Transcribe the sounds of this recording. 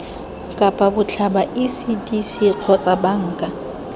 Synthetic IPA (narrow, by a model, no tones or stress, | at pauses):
kʼapʼabʊt͡ɬʰabaʔisidisiq͡χʰɔt͡sʼabaŋ̩ːkʼa